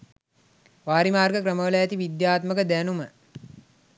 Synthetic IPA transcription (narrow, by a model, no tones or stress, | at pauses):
ʋaːɾimaːrɡəkɾəməʋələjat̪iʋid̪jaːt̪məkəd̪ænumə